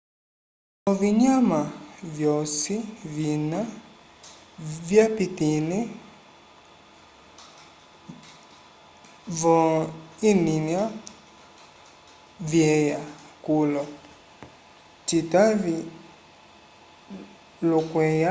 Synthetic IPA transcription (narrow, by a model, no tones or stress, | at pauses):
ɔviɲamavjɔsivina | vjapitinɛ | vɔininja | vjɛjakulɔ | titavi | lukwɛja